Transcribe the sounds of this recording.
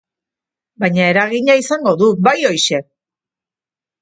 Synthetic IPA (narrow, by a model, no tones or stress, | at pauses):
bajɲae̞ɾaɣiɲaisaŋɡo̞ðuβajo̞jʃe̞